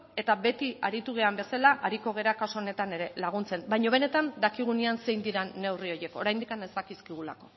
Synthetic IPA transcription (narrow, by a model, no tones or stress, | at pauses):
e̞t̪aβe̞t̪iaɾit̪uɣ̞e̞ambe̞salaʔaɾiko̞ɣ̞e̞ɾakasoone̞t̪ane̞ɾe̞laɣ̞unt͡se̞nbajɲo̞β̞e̞ne̞t̪and̪akiɣ̞unianse̞jnd̪iɾanːe̞wrio̞je̞ko̞ɾajnd̪ikane̞zt̪akiskiɣ̞ula̰ko̞